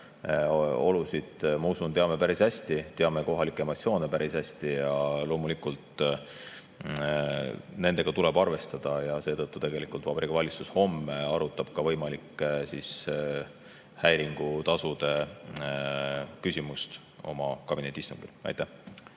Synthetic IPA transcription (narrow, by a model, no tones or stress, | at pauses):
o̞lusid̪̥mɑusunt̪e̞ɑme̞pæɾishæsʲt̪it̪e̞ɑme̞ko̞ɦɑlikːˑe̞mo̞t̪sio̞ːne̞pæɾishæsʲt̪ijɑlo̞ːmulikult̪ | ne̞nd̪̥e̞ɡ̥ɑt̪ule̞b̥ɑrve̞st̪ɑd̪̥ɑjɑse̞ːt̪ɤt̪ːut̪e̞ɡ̥e̞likˑult̪vɑbeɾikɑvɑlʲit̪susho̞mːeɑɾut̪ːˑɑb̥kɑvɤ̞jmɑlikˑːesis | hæjɾiŋɡ̥ut̪ɑsud̪e̞ | kysʲimust̪ | o̞̰mɑkɑb̥ine̞t̪ʲːiist̪uŋɡ̥ilɑ̰jt̪ːæh